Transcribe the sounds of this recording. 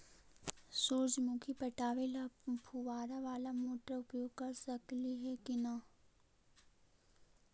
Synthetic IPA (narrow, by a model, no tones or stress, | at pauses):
suːɾd͡ʒmũkʰipɐʈaːʋelapʰuʋaːɾaʋaːlamoːʈəɾʊpjoːɡ̚kɐɾsɐkliɦɛkina